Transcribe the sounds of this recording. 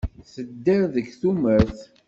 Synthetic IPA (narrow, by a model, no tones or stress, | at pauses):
θəd̪ːəɾðəɡθuməɾθ